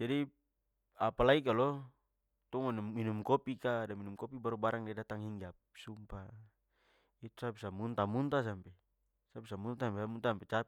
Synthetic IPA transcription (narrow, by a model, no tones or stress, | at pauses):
d͡ʒadi | apalaikalɔ | t̪ɔŋanumːinumkɔpikadaminumkɔpibaɾubaɾaŋdadat̪aŋɦiŋɡapsumpa | it̪usapisamunt̪amunt̪as̬ampɛ | sapisamunt̪asampesamunt̪aampɛt͡ʃap